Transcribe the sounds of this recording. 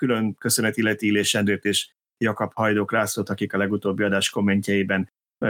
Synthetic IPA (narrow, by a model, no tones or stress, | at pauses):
kylø̞ŋkø̞sø̞nɛt̪ilːɛt̪iileːʃɛnd̪øːt̪eːʃ | jɒkɒphɒjd̪oːkraːsot̪ɒkikɒlɛɡut̪oːbːiɒd̪aːʃko̞mːɛɲcɛjibɛn